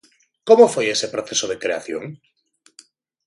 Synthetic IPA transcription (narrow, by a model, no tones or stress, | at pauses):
komofojesepɾoθesoðekɾeaθjo̰ŋ